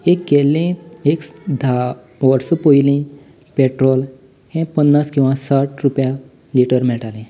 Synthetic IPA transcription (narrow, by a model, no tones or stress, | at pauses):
ek̚ɡelẽekd̪ʱa | ʋəɾsəpojlẽ | peʈɾol | hẽpənːaskĩw̃ʋãsaʈɾupja | liʈəɾmɛɭʈalẽ